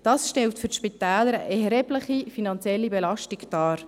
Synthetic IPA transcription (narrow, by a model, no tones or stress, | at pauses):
d̥ɑːsʃtɛltfɵɾʃpitɛːləɾəʔɛɾɦɛbləχifinɑnt͡sjɛlːibɛlɑʃtɪkd̥ɑːɾ